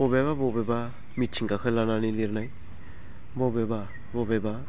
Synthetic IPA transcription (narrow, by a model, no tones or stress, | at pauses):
bɔbeβabɔbɛba | mitt͡ʃʰiŋɡakʰɯlananiliɾnaj | bɔbeba | bɔbɛba